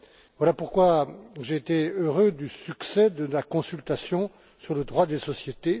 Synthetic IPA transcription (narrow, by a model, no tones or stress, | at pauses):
vwalapuʁkwaʒeːt̪eøʁød̪ysyksɛd̪əmakɔ̃sylt̪asjɔ̃ | syʁləd̪ʁwad̪esɔsjet̪e